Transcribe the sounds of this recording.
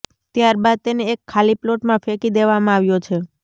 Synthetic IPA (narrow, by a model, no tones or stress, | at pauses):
t̪jaɾbad̪̚t̪eneːkʰːaliploʈmãfekid̪eʋamãaʋjot͡ʃʰe